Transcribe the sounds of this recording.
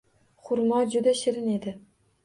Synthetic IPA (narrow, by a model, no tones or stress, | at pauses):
χʊɾmɒd͡ʒʊd̪aʃɪɾɪned̪ɪ